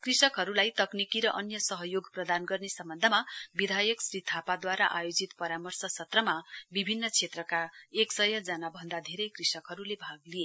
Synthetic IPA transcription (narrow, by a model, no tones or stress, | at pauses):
krisʌkɦʌɾulajt̪ʌknikiɾʌʔʌnjʌsʌɦʌjoɡprʌd̪anɡʌrnesʌmbʌnd̪ʱʌmabid̪ʱajʌksrit̪ʰapad̪waɾaʔajod͡zit̪pʌɾamʌrsʌsʌt̪rʌmabibʱinːʌt͡sʰet̪rʌkaeksʌjʌd͡zanabʱʌnd̪ad̪ʱeɾʌjkrisʌkɦʌɾulebʱaɡlije